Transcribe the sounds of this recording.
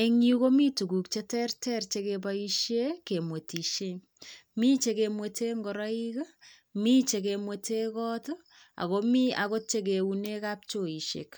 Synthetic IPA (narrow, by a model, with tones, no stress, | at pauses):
e˨ŋiko˦mi˦tu˨ɡu˨k̚t͡ʃe˦tɛ˦rtɛ˦rt͡ʃe˦kebai˦ʃje˦ke˨mwe˨ti˨ʃe˦ | miː˦t͡ʃe˨kemwe˨teː˦ŋɡɔ˨ɾa˦i˦k | mi˦t͡ʃe˨ke˨mwetʰe˦kɔ˦to˦ | a̰˨komi˦a˨ko˦t͡ʃe˦k̬e˨une˦ka˦p̚t͡ʃo˨i˨ʃḛ˨k